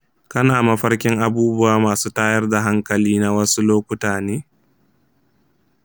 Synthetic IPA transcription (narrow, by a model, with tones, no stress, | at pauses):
kɐ˦naː˨mɐ˦ɸɐ˦ɽkʲɪ˦ŋʔa˨buː˦bʊ˦waː˦maː˨suː˦taː˦jɐ˦rda˨ɦa˦ŋkɐ˨liː˦na˦wɐ˦su˦loː˦kʷʊ˦taː˨neː˦